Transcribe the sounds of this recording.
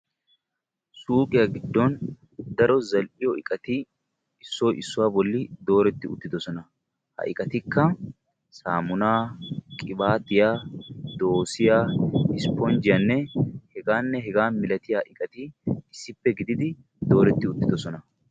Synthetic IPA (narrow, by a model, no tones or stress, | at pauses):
suːkʼɪjaɡɪd̪ːɔn | d̪ɐɾɔzɐlʔɪjɔɪkʼɐt̪ɪ | ɪsːɔːʔɪsːʊwaːbɔlːɪd̪o̞ːɾɛt̪ːɪʊt̪ːɪd̪ɔsɔnɐ | hɐ̰ʔɪkʼɐt̪ɪkːɐ | saːmʊnaːkʼɪbaːt̪ɪjaːd̪o̞ːsɪjaːhɪspːɔnd͡ʒɪjɐnːɛhɛɡaːnːɛɦɛɡaːnmɪlɐt̪ɪjaʔɪkʼɐt̪ɪɪsːɪpːɛɡɪd̪ɪd̪ɪ | d̪o̞ːɾɛt̪ːɪʊt̪ːɪd̪ɔsɔnɐ